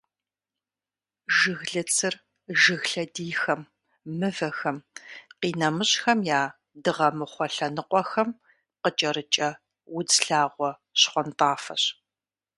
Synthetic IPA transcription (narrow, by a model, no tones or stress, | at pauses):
ʒɨɣɮɨt͡sʰɨr | ʒɨɣɬɐdiːxɐmː | ɨvɐxɐmqiːnɐmɨɕxɐmjaː | dɨʁɐmɨχʷɔɬɐnɨqʷʼɔxɐm | qət͡ʃʼɐɾɨt͡ʃʼɐ | wʊd͡zɬaːʁʷɔ | ɕχʷɔntʼaːfɐ̰ɕ